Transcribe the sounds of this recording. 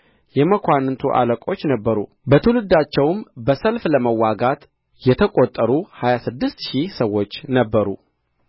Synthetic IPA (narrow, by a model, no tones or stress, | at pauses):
jɛməkʰʷant̪ʰuʔa̰ləkʼo̞t͡ʃːnəbːəɾṵ | bət̪ʰəlɨd̪ːat͡ʃːɛwmbəsəlfləməwːaɡat̪ | jɛt̪ʰəkʼot̪ʼːəɾuhajasɨd̪ːɨst̪ʃisəwːo̞t͡ʃːnəbːəɾṵ